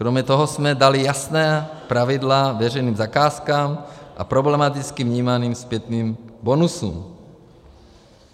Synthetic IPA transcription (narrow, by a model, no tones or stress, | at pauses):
kɾɔmɲɛt̪ɔɦɔzmɛd̪alijasnɛːpɾaʋid̪laːʋɛɾɛjniːmzakaːskaːmʔa̰pɾɔblɛmat̪it͡skivɲiːmaniːmspjɛt̪niːmbɔnusṵm